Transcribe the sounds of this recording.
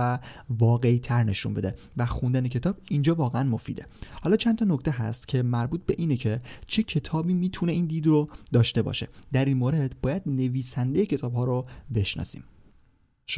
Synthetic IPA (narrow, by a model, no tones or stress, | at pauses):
ævɒːɣe̞it̪ʰæɾne̞ʃṵnbe̞d̪e | væxund̪ænecʰe̞t̪ʰɒːb̥̚ind͡ʒɒːvɒːɣeænmo̞fḭːd̪e̞hɒːlɒːt͡ʃʰænt̪ʰɒnokt̪ʰe̞ɦæ̰st̪cʰe̞mæɾbuːt̪̚ʰbe̞ʔiːnecʰe̞t͡ʃʰe̞cʰe̞t̪ʰɒːbiːmiːt̪ʰune̞iːnd̪iːd̪rod̪ɒːʃt̪e̞bɒ̰ːʃe̞̰d̪̥æɾiːnmoːɾe̞d̪bɒːjæd̪̚ne̞viːsænd̪e̞jecʰe̞t̪ʰɒːb̥hɒːɾobe̞ʃnɒ̰ːsḭːm